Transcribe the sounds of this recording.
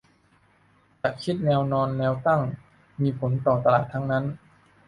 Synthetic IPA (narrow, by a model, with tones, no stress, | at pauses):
t͡ɕaː˨˩kʰi˦˥t̪̚nɛː˧wnɔː˧nːɛː˧wt̪a˥˩ŋ | miː˧pʰo˩˦nt̪ɔː˨˩t̪a˧laː˨˩t̪ʰːa˦˥ŋna˦˥n